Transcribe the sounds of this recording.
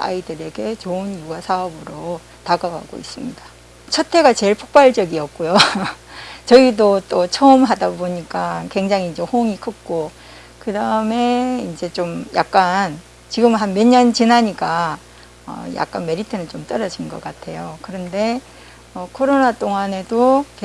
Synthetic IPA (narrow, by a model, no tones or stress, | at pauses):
a̰idɯɾe̞ɡe̞t͡ɕoɯnjuɡasʰaʌbɯɾo | taɡaɡa̰ɡo̰ḭs͈ɯmɲida | t͡ɕʰʌtʰe̞ɡat͡ɕe̞ɭpʰo̥k̚p͈aɭd͡ʑʌɡiʌk̚k͈ojo | t͡ɕʌidot͈ot͡ɕʰʌɯmɦadaboɲik͈akwe̞ŋd͡ʑaŋind͡ʑe̞hoŋikʰɯk̚k͈o | kɯdaɯme̞ind͡ʑe̞t͡ɕomja̰k̚k͈an | t͡ɕiɡɯmɦanme̞ɲʌnt͡ɕinaɲiɡa | ʌ̰ja̰k̚k͈anme̞ɾitʰenɯnt͡ɕomt͈ʌɾʌd͡ʑinɡʌ̰k͈atʰe̞jokɯɾʌnde̞ | ʌkʰoɾonat͈oŋane̞doke